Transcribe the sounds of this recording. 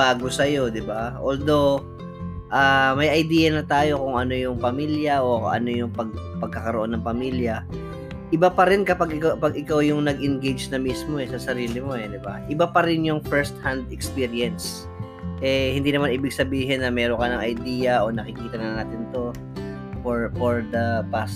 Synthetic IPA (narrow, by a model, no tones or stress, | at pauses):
baːɡosɐjo̞d̪ɪbaʔoːld̪o̞w | ʔaːmɐjʔɐjd̪iːjɐnɐt̪aːjo̞kʊŋɐnojʊŋpɐmiljɐʔo̞̰ʔɐ̰no̞jʊŋpɐɡ̚pɐɡ̚kɐkɐɾoʔo̞nːɐŋpɐmiljɐ | ʔɪbapɐɾɪnkɐpaɡɪkapɐɡɪkawjʊŋnɐɡʔɪnɡejd͡ʒnɐmismo̞ɛsɐsɐɾiːlɪmo̞ɛd̪ɪbaʔɪbapɐɾɪnjʊŋfɛɹst̪hand̪ɛkspiɾiɛns | ʔɛhɪnd̪iːnɐmanʔiːbɪɡ̚sɐbiːɦɪnːɐmɛːɾoŋkɐnɐŋʔɐjd̪iːjɐʔo̞nɐkɪkiːt̪ɐnɐnaːt̪ɪnt̪o̞ | poɹfoɹd̪ɐpast̪